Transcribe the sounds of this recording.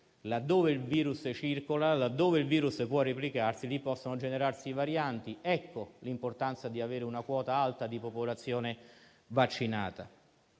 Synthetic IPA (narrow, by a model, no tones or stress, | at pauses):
lad̪ːoːveilviːɾust͡ʃirkolalad̪ːoːveilviːɾuspwɔrːeplikarsilipːɔsːonod͡ʒeneɾarsivaɾjant̪iɛkʰːolimport̪ant̪sad̪iaveːɾɪunakwɔːt̪aalt̪ad̪ipopolat̪sːjoːne | vat͡ʃːinaːt̪a